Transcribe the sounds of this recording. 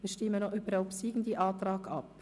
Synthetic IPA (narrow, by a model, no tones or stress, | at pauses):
viːʃtɪmːənyːbəɾhaʊpsiːɡn̩d̪iːʔɑːt̪ɾɑːɡɑp